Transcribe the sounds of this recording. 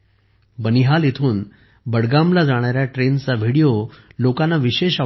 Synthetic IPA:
bəniɦalit̪ʰuːn | bəɽɡamlad͡zaɽ̃aɾjaʈɾent͡saʋʱiɽijolokãnːaʋiɕeɕa

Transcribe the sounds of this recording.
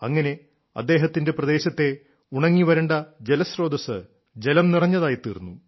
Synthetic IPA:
ɐŋːɐne̞ | ɐ̰d̪ːe̞ːɦɐt̪ːinde̞prɐd̪e̞ːɕɐt̪ːe̞ | uɳɐŋːiʋɐɾeɳɖɐd͡ʑelɐsro̞ːd̪ɐsɨ̰ | d͡ʑe̞lɐmnirɐɲːɐðaːjit̪ːḭːrnːu

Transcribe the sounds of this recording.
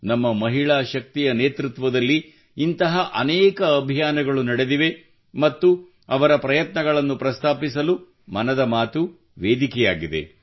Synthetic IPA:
nɐmːɐmɐɦiɭaːʃɐk̚t̪ijɐneːt̪ɾut̪ʋɐd̪ɐlːiː | nt̪ɐɦɐʔɐnɛːkɐːbʱijaːnɐɡɐɭunɐɽed̪iʋe̞ | mɐt̪ːu | ɐʋɐɾɐpɾɐjɐt̪nɐɡɐɭɐnːupɾɐst̪ʰaːpisɐlu | mɐnɐd̪ɐmaːt̪u | ʋeːd̪ikɛja̰ːɡid̪e̞̰

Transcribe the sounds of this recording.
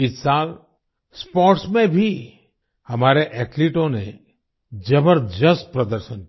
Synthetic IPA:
ɪt̪sal | spɔɾʈsmẽbʱi | həmaɾeʔɛʈliʈõne | d͡ʒəbəɾd͡ʒəst̪̚pɾəd̪əɾʃən

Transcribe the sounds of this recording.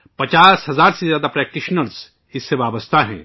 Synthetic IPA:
pɐt͡ʃaːsɦɐzaːɾsezjaːd̪apɾɛːk̚ʈɪʃnəls | ɪsːeʋaːbəst̪ʰaɦɛ̰̃ː

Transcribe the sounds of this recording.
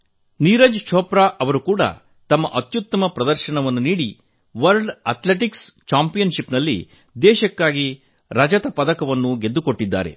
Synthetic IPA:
niːɾɐd͡ʒt͡ʃʰɔːpɾaːʔɐʋɐɾukuːɽɐ̰ | t̪ɐmːɐ̰ʔɐt̪jut̪ːɐmɐpɾɐd̪ɐɾʃɐɳɐʋɐnːuniːɽi | ʋɐɾɖɐt̪leʈikst͡ʃaːmpijɐnʃipnɐlːḭ | d̪ɛːʃɐkːaːɡi | ɾɐd͡ʒɐt̪ɐpɐd̪ɐkɐʋɐnːuɡe̞d̪ːukoʈːid̪ːa̰ːɾe̞̰

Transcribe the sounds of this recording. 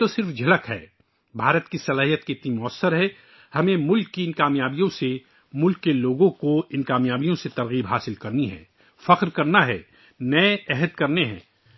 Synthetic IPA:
t̪osɪɾfd͡ʒʱɐləkɦɛ̰ː | bʱaːɾət̪kisɐlaːɦijət̪̚keɪt̪nimʊəsːəɾɦɛː | hɐmẽmʊlkːiɪnkaːmjaːbijõse | mʊlkːeloːɡõkoɪnkaːmjaːbijõset̪ɐɾɣiːbɦaːsɪlkɐɾniɦɛ̰̃ː | fɐqɾkɐɾnaɦɛ̰ː | nɐeɛɦəd̪̚kɐɾneɦɛ̰̃ː

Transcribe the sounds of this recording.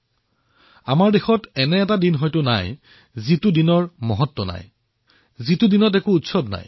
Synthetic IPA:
a̰maɹdexɔtɛnɛːtadinɦɔjtʊna̰j | zitudinɔɹmɔɦɔtːɔna̰j | zitudinɔtɛkuutsɔbna̰j

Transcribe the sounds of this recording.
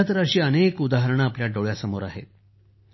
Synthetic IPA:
at̪əɾaɕiːənekud̪aɦəɾəɳaːpljaɖoɭjasəmoɾa̰ɦḛt̪

